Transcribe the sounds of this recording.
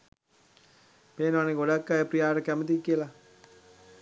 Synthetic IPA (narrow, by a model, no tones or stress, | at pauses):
peːnʋaneɡoɽakːajepɾijaːʈəkæmət̪̬ikːiəla